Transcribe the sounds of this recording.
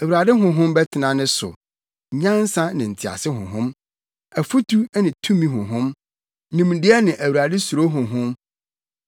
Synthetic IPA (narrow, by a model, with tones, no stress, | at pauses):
æ˨wu˨ɾa˨dɪ˦ɦʊ̃˨ɦʊ̃˦mbɛ˦tʰɪ˨nã˨nɪ̃˦sʊ̰˨ | ɲã˦n˦sã˦nɪ̃˨n̩˨tʰɪ˨a̰˨sɪ˦ɦʊ̰̃˨ɦʊ̃˦m | æ˨fu˦tʰu˦nɪ̃˨tʰũ˦mĩ˦ɦʊ̃˨ɦʊ̃˦m | nĩ˨m˨dɪ˦ɛ˦nɪ̃˨ʔæ˨wu˨ɾa˨dɪ˦su˨ɾo˦ɦʊ̃˨ɦʊ̃˦m